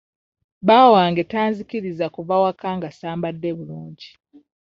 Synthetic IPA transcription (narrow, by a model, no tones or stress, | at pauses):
βaːwaːŋɡetaːnziciɾizakuvawakaːŋɡasaːmbadːeβuluːɲɟi